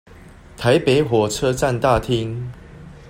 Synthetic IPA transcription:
t̪ʰa˨˦ɪpe˨˦ɪɦwɔ˨˩t͡sʰɤ˦˥t͡sa˥˨nt̪a˥˨t̪ʰi˦˥ŋ

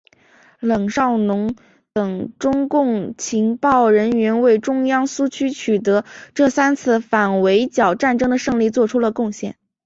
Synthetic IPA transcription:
lɤ˨˩ŋʂɑ˥˩ʊnʊ˧˥ŋ | t̪ɤ˨˩ŋʈ͡ʂʊ˥ŋkʊ˥˩ŋt͡ɕʰi˧˥ŋpɑ˥˩ʊɻə˧˥nɥɛ˧˥nwe˥˩ɪʈ͡ʂʊ˥ŋjɑ˥ŋsu˥t͡ɕʰy˥t͡ɕʰy˨˩t̪̬ɤ˧˥ʈ͡ʂɤ˥˩sa˥nt͡sʰɹ̩˥˩fa˨˩nwe˧˥ɪt͡ɕjɑ˨˩ʊʈ͡ʂa˥˩nʈ͡ʂɤ˥ŋd̪ə˨ʂɤ˥˧ŋli˥˧t͡swɔ˥˩ʈ͡ʂʰu˥lə˨kʊ˥˧ŋɕjɛ̰˥˩n

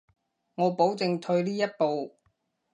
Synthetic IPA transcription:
ŋɔː˨˧po˨˥wt͡sɪ˨˧ŋt̪ʰɵ˧ɥliː˥jɐ˥t̚po˨w

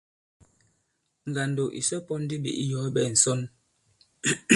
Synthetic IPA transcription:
ŋ̩˨ɡa˨ndo˨ʔḭ˨sɔ˦pɔ˦n̩˦di˦bḭ˨ʔi˦jɔ˨˦bɛ˦˨n̩˨sɔ˦n

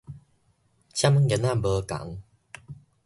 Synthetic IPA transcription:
t͡ɕa˦m˦ɡe˨˦na˥˨bə˧ka̰˨˦ŋ

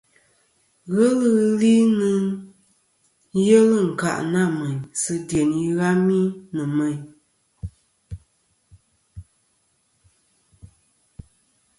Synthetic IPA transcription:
ɣə˦lɨ˦ɣɨ˦li˦nɨ˦n˦ | jə˦lɨ˦˨ŋ̩˨ka̰˨ʔna˦˨mə˨ɲsɨ˦dje˨ni˦ɣa˦mi˦nɨ˨mɛ˨ɲ

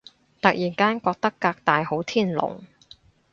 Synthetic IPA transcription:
t̪ɐ˨k̚jiː˨˩nkaː˥nkɔː˧k̚t̪ɐ˥kːaː˧k̚t̪aː˨jho˨˥wt̪ʰiː˥˩nlʊ̰˨˩ŋ

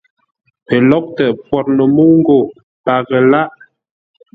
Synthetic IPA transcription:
pə˨lɔ˦k̚tɛ˨pwɔ˨t̚nə˨mu˦ŋ˦ɡo˨ | pa˨ɣə˨la˦ʔ

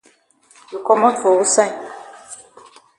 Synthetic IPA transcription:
ju˨kɔ˦mɔ̃˦to˨wu˦sɛ̃˦˨

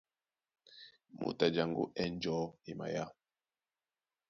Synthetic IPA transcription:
mṵ˨ta˨d͡ʒa˨ŋɡṵ˦ʔɛ˦n˦d͡ʒɔ˦i˨ma̰˨ja˦

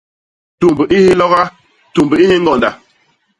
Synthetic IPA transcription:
tu˨mbə˨ʔi˦hi˦lɔ˦ɣa˦ | tu˨mbə˨i˦hi˦ŋɡɔ˨nda˨

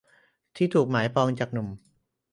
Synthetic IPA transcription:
t̪ʰiː˥˩t̪ʰuː˨˩k̚maː˩˦jpɔː˧ŋt͡ɕaː˨˩k̚nu˨˩m

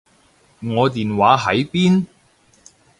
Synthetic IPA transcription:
ŋɔː˨˧t̪iː˨nwaː˨˥ɦɐ˨˥jpiː˥n

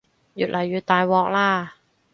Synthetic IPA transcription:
jṵ˨˩lʔa˨˩˦ju˨˩t̪aː˧jwɔː˦˥k̚laː˥˩

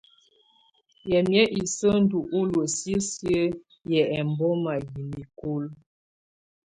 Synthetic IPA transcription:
jɛ˨mjɛ˦ʔi˨sə˦n̩˦du˨ʔu˦lo˨sjə˦sjə˦ | jɛ˨ɛ˨mbɔ˦ma˨ji˨mi˨ku˦l

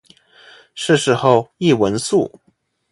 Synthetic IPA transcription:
ʂɻ̩˥˧ʂɻ̩˥˧xo˥˧ʊi˥˩wə˧˥nsu˥˩

